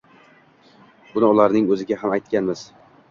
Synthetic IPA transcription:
b̥ʊnɪʊlaɾnɪŋɵzɪɡʲaɦamajt̪kʲanmɪz̥

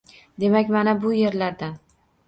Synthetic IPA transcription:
d̪e̞makʲmanabʊje̞ɾlaɾd̪an

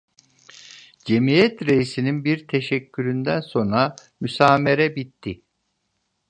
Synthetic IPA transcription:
d͡ʒe̞mijɛt̪ɾejisininbiɾt̪ʰe̞ʃɛcʲʰːyɾynd̪ænso̞nɾa | mysaːme̞ɾɛbit̪ːi

